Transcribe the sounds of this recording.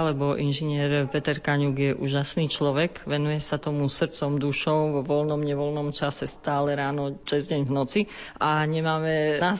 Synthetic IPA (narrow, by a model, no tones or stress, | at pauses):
alɛbɔʔinʒiɲɪɛɾpɛt̪ɛɾkaɲuɡjɛʔuːʒasniːt͡ʃlɔʋɛɡʋɛnujɛsat̪ɔmusr̩t͡sɔmd̪uʃɔʊʋɔʋɔlnɔmɲɛʋɔlnɔmt͡ʃasɛst̪aːlɛɾaːnɔt͡sɛzɟɛɲvnɔt͡si | aɲɛmaːmɛa